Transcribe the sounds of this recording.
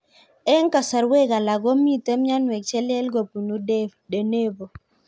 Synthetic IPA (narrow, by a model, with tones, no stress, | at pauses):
ɛ˦ŋka˨sa˨ɾwe˦ɡa˨la˨ɡo˦mi˦tɛ˦m˦ɲa˦nwɛ˨k̚t͡ʃɛ˦lɛ˦lɡo˨pu˨nu˦de˦de˨ne˦bo˨